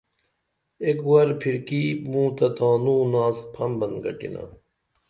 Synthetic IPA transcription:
ekwɐɾpʰiɾkiːmũːt̪ɐt̪ʰãːnũːnaːspʰɐmbɐnɡɐ̰ʈḭna̰

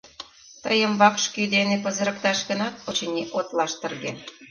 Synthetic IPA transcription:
t̪ə̰jəmβɑkʃkyd̪enepə̆zə̆ɾə̆k̚t̪ɑʃɣə̆nɑt̪ot͡ɕenʲeʔot̪lɑʃt̪ə̆rɣḛ

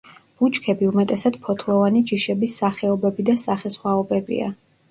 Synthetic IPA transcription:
b̥ut͡ʃʰkʰɛbiumɛt̪ʼɛsad̪̥pʰɔt̪ʰlˠɔvanid͡ʒiʃɛbisːaχɛɔbɛbid̪asaχɛsχwaɔbɛbḭa̰

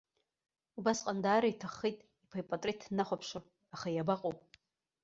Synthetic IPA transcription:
ubasqʼandaːɾaitʰaχːijtʼ | ipʰajpʼatʼritʰnaχʷapʰʂa | aχajabaqʼowpʼ

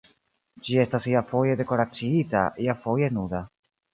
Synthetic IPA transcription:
d͡ʒie̞stasiafo̞je̞de̞ko̞ɾat͡siita̰ʔiafo̞je̞nuda

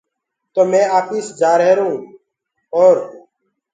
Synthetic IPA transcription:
t̪oːmẽːaːpiːsd͡ʒaːɾɦeːɾũː | oːɾ

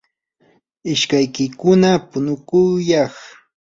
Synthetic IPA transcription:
ɪʃkajkɪkʊnapʊnʊkʊjɑχ

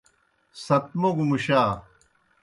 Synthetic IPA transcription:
sɐt̪̚moɡumuɕaː

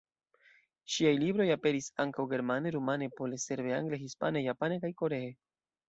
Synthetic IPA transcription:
ʃiajlibɾo̞jape̞ɾisaŋkawɡe̞ɾmane̞ɾumane̞po̞lese̞ɾveaŋɡleɦispane̞japane̞kajko̞ɾe̞e

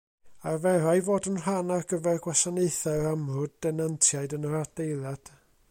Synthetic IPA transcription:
arvɛɾajvoːdənr̥anarɡəvɛrɡwasaneɨθɛɾamrʊd̚dɛnantʰjaɨdənəɾad̥ejlˠjad̥

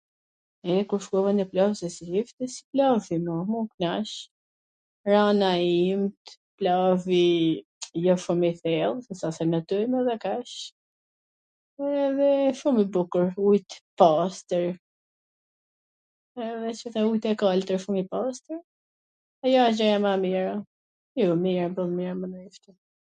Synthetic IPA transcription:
ɛkuɾʃkuvaniplavsɛsilift̪isi̥plafimɔmuknaʃ | ɾanaimt̪ | plavi | jɔʃumiθɛlˠsɛsasɛnət̪ujmɛðɛkɛʃ | ɛðɛʃumibukəɾujt̪past̪əɾ | ɛðɛt͡ʃət̪aujt̪ɛkalt̪əɾʃumipast̪əɾ | ajɔad͡ʒɔjamamiɾa | jumiɾbəlˠmiɾmənift̪i

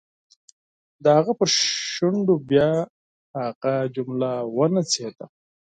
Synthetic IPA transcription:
d̪əhaɣapəɾʃuɳɖobjɑ | haɣad͡ʒʊmlawənat͡sed̪a

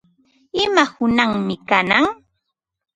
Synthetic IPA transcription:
ɪmahʊnaŋmɪkanaŋ

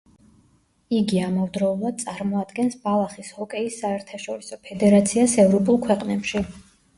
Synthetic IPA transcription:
iɡiamɔvd̪ɾɔulˠad̪̚sʼaɾmɔad̪ɡɛnsbalˠaχishɔkʼɛisːaɛɾt̪ʰaʃɔɾisɔpʰɛd̪ɛɾat̪sʰiasɛvɾɔpʼulˠkʰwɛqʼnɛpʃi

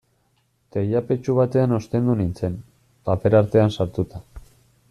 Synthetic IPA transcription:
t̪ejape̞t͡ʃuβat̪e̞ano̞st̪e̞nd̪unint͡se̞n | pape̞ɾaɾt̪e̞ansaɾt̪ut̪a

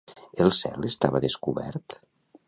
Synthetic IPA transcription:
əlˠsɛlˠəst̪a̰βəðəskuβɛ̰ɾt̪

